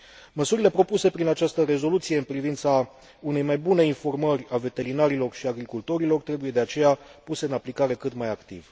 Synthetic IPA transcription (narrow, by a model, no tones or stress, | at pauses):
məsuɾile̞pɾo̞puse̞pɾinat͡ʃast̪əɾe̞zo̞lut̪sije̞ɨnpɾivint̪sa | une̞jmajbune̞info̞rmərʲave̞t̪e̞ɾinaɾilo̞rʃiaɡɾikult̪o̞ɾilo̞rt̪ɾe̞buje̞d̪eat͡ʃe̞japuse̞ɨnaplikaɾe̞kɨt̪majakt̪iv